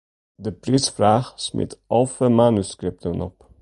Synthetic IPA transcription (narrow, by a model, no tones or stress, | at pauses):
dəprisfraːχsmɪ̰tɑlˠfəmaːnyskɾɪp̚təmɔ̰p